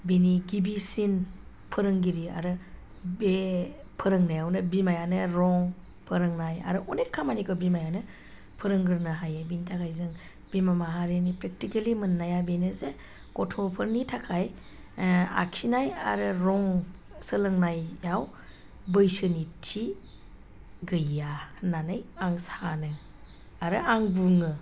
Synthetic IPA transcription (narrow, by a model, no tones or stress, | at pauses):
biniɡibisin | pʰəɾɯŋɡiɾia̰ɾɯ | be | pʰɯɾɯŋnajawnɯbimajanɯɾɔŋ | pʰəɾɯŋnaja̰ɾɯʔɔnekʰːamanikɯbimajanɯ | pʰɯɾɯŋɡɯɾnaɦajabinitʰakʰajzɯŋ | b̥imamaɦaɾinipɾek̚tikelimɯnːajabenɯze | kɔtʰɔpʰɯɾnitʰakʰaj | a̰kʰinaja̰ɾɯɾɔŋ | sɯlɯŋnajjaw | bɯjsɯnitʰi | ɡɯjːananɯjaŋsanɯ | aɾɯaŋbuŋɯ